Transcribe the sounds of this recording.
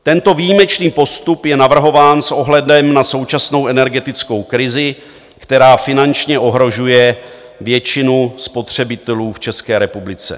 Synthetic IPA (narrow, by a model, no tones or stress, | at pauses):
t̪ɛnt̪o̞vijimɛt͡ʃniːpo̞st̪upjɛnavr̩ɦo̞vaːnsʔo̞ɦlɛdɛmnaso̞wt͡ʃasno̞wʔɛnɛɾɡɛt̪ɪt͡sko̞wkɾɪzɪ | kt̪ɛɾaːfɪnant͡ʃɲɛʔo̞ɦɾo̞ʒujɛ | vjɛt͡ʃɪnuspo̞t̪r̝̥ɛbɪt̪ɛluːft͡ʃɛskɛːɾɛpublɪt͡sɛ̰